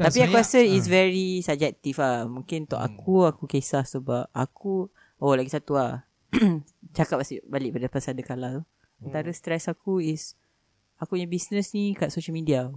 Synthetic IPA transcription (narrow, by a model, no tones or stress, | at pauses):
apiakuɾasəis̬vɛɹisab̚d͡ʒɛk̚t̪ifahmũŋkɪnt̪ɔ̰ʔa̰kʰuakukesahsəbap̚a̰kʰu | olaɡisat̪uah | t͡ʃakap̚asiʔbalɪʔ̚padapasadakalat̪u | ant̪aɾəst̪ɾɛsakuis | akupɲabisnə̃snikaʔsoʃəlmidia